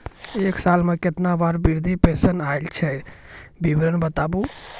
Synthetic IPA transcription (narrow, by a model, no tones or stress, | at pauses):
eːksaːlmẽkɪt̪nabaːɾbiɾd̪ʱipeːsənaelt͡ʃʰɛbibɾənbət̪aːbu